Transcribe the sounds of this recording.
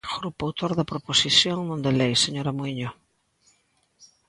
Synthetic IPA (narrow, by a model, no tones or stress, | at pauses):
ɣɾupawt̪oɾðɐpɾoposiθjoŋnõnd̪elejseɲoɾamoiɲo